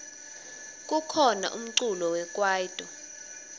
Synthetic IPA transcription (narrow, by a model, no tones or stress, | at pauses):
k̬ʼukʰɔna̰ʔum̩ǀulɔwɛk̬ʼwaːjd̥ʱʼɔ